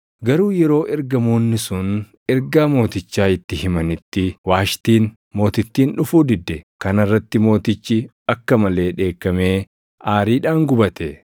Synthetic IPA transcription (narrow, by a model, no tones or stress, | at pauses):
ɡɐɾuːjɛɾo̞ːʔɛɾɡɐmoːnːɪsʊn | ɛɾɡaːmo̞ːt̪ɪt͡ʃːaːɪt̪ːɪhɪmɐnɪt̪ːɪwaːʃt̪iːn | mo̞ːt̪ɪt̪ːiːnᶑʊfuːd̪ɪd̪ːɛkɐnɐrːɐt̪ːɪmo̞ːt̪ɪt͡ʃːɪ | ɐkːɐmɐle̞ːᶑe̞ːkːɐmeː | ʔaːɾiːᶑaːŋɡʊbɐt̪ɛ